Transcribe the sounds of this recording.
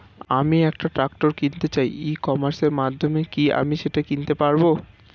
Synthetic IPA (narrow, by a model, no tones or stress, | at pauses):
amiɛk̚ʈaʈɾak̚ʈoɾkint̪et͡ɕajikɔmaɾseɾmad̪ʱːomekia̰miʃeʈakint̪epaɾbo